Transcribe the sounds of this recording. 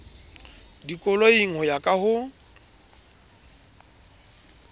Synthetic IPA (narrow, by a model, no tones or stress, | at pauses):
dikʼʊloiŋ̩hɔjakʼahʊ